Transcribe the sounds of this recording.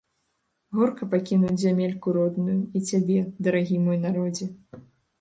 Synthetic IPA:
ɣɔrkɐpakʲinuwzʲamʲelʲkuɾɔd̪nujuit͡sʲabʲɛd̪ɐɾaɣʲimɔjnaɾɔd͡zʲɛ

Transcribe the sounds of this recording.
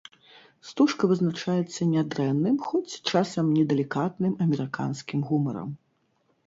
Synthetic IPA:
st̪uʂkɐvɨznat͡ʂajɛt̪sːɐnʲɛd̪ɾɛnːɨmxɔt͡sʲt͡ʂasɐmnʲɛd̪ɛlʲikat̪nɨmɐmʲɛɾɨka̰nskʲimɣumɐ̰ɾɐ̰m

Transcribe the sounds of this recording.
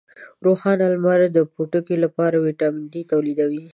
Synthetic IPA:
ɾoxɑnalmaɾad̪əpoʈəkelapɑɾawiʈɑmɪɳɖit̪awlid̪awi

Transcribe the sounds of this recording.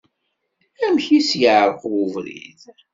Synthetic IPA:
æmçisjəʕəɾqwuvɾḭð

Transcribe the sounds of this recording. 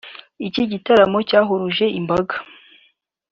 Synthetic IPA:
iciɟitaɾamo̞caːɦoɾuʒe̞imbaɡa

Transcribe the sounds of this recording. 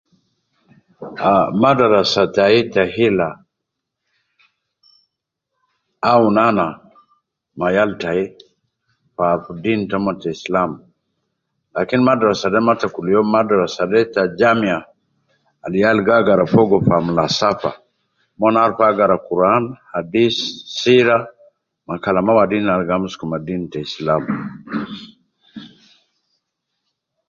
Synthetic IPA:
amadaɾasataitahila | unana | majaltai | fafudintamɔtaislam | lakinmadaɾasadɛmatakulijɔmadaɾasadɛtad͡ʒamiaː | lijalɡaɡaɾafɔɡɔfamulasafa̰ | mɔnaɾfaɡaɾakuɾanhadisːiɾa | makalamawadinalɡamuskumadintaislam

